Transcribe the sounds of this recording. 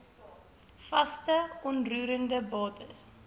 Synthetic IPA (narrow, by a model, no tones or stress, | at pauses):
fɐstəɔnruːɾəndəbɑːtʰəs